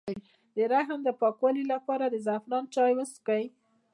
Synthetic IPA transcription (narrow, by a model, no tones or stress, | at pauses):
d̪̥əɾaɦəmd̪əpɑkwɑlilapɑɾad̪əzafɾɑnt͡ʃɑjwəskaj